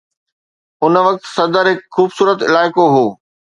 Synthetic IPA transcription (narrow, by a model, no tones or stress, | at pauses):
ʊnʋɐk̚t̪sɐd̪əɾɦɪkxuːbsuːɾət̪ɪlaːɪkoɦoː